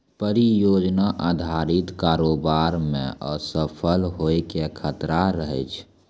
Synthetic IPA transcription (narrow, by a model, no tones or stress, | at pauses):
pəɾijoːd͡ʒnaʔaːd̪ʱaːɾɪt̪kaːɾoːbaːɾmḛ̃ɔ̰səpʰəlɦoekekʰət̪ɾaɾəɦə̰t͡ʃʰ